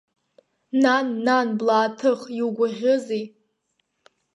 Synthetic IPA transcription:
nanːanblaːtʰɨχjiuɡʷaʒʷᶣʊzej

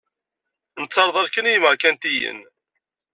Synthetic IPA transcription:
nət͡sːɑɾˤðˤɑɾkənijməɾkænt̪ijə̰n

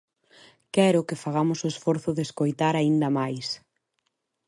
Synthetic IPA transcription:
kɛɾʊkɪfaɣamʊsʊesfɔɾθʊðeskojt̪aɾaind̪ɐmajs

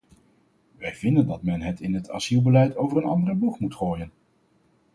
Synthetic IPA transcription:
ʋɛjvɪndəndɑtmɛnɦətɪnɦətʰɑ̰zilˠbəlɛjtowvəɹənɑ̰ndərəbukmutχoːjən

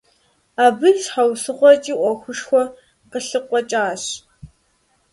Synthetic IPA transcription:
aːbɨrʂħawsɨχʷɔt͡ʃʼiːʔʷɔxʷʊʂxʷɔ | qəɬɨqʷʼɔt͡ʃʼaːɕ

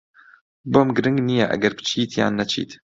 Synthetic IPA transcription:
bomɡɾɪŋɡnijaʔa̰ɡɐɾbt͡ʃiːt̪ʰja̰nːat͡ʃḭːt̪

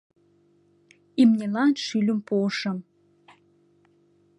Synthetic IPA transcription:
imnʲelɑnʃylʲəmpoʃɤ̆m

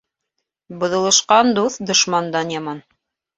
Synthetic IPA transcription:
bŏðɤ̆lˠɤ̆ʃqɑnd̪uθd̪ŏʃmɑnd̪ɑnjɑmɑn

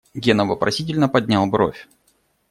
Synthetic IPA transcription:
ɡʲenəvəpɾɐ̰sʲit̬ʲɪlʲnəpɐdʲnʲalˠvɾo̰fʲ

